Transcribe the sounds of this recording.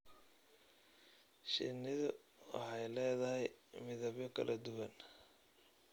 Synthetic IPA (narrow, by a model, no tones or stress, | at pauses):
ʃɪ̰nɪðʊ | wɑ̰ħɑjlɛːðɐɦɛjmɪðɐβjɔkʰɐ̰lʔɐd̪ʊwɐn